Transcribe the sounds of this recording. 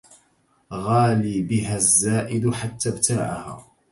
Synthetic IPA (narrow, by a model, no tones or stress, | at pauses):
ɣaːliːbɪɦazːaːʔɪd̪ʊħat̪ːabt̪ʰaːʕa̰ha̰ː